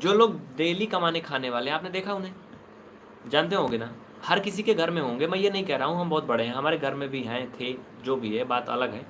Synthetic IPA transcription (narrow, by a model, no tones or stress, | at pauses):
d͡ʒoːloːɡ̚ɖeːlikɐmaːnekʰaːneʋaːleɦɛ̃aːpned̪eːkʰaʊnɦẽː | d͡ʒãːnt̪̬eɦõːɡenaː | hɐɾkɪsikeɡʱɐɾmẽɦõːŋɡemɛ̃ːjenɐɦĩkɛɦɾaːɦũɦɐmbɔːt̪̚bɐɽeɦɛ̃ɦɐmaːɾeɡʱɐɾmẽbʱiɦɛ̃t̪ʰe | d͡ʒoːbʱiɦɛbaːt̪ɐ̰ləɡɦɛː